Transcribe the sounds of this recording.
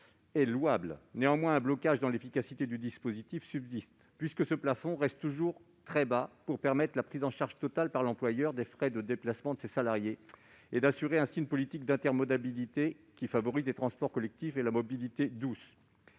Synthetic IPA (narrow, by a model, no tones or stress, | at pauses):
ɛlwablneɑ̃mwɛ̃ɛ̃blɔkaʒd̪ɑ̃lefikasit̪ed̪yd̪ispozit̪ifsybzist̪pɥiskəsəplafɔ̃ʁɛst̪t̪ːuʒuʁ | t̪χɛbapuʁpɛʁmɛt̪χlapχizɑ̃ʃaʁʒt̪ɔt̪alpaʁlɑ̃plwajœʁd̪efχɛd̪əd̪eplasmɑ̃d̪əsesalaʁje | ed̪asyʁeɛ̃siynpɔlit̪ik̚d̪ɛ̃t̪ɛʁmɔd̪abilit̪e | kʲifavɔʁizlet̪χɑ̃spɔʁkɔlɛk̚t̪ifelamɔbilit̪ed̪us